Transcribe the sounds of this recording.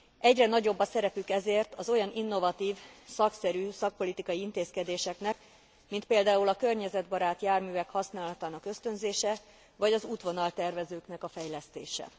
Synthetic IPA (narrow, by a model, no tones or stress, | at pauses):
ʔɛɟrɛnɒɟo̞bːɒsɛɾɛpykɛzeːrt̪ɒzo̞jɒnʔinːo̞vɒt̪iːvsɒksɛɾyːsɒk̚po̞lit̪ikɒjiint̪eːskɛd̪eːʃɛknɛk | mint̪peːld̪aːulɒkø̞rɲɛzɛd̪bɒɾaːt̪jaːrmyːvɛkhɒsnaːlɒt̪aːnɒkø̞st̪ø̞nzeːʃɛ | vɒɟɒzuːt̪ʋo̞nɒlt̪ɛrvɛzøːknɛkɒfɛjlɛst̪eːʃɛ̰